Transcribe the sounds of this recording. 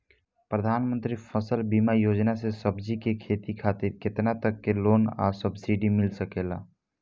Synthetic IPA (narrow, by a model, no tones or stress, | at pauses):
pɾəd̪ʱaːnmənt̪ɾipʰəsəlbimajod͡ʒnasesəbd͡ʒikekʰet̪ikʰat̪iɾket̪nat̪əkːelona̰səbsiɖimilsəkela̰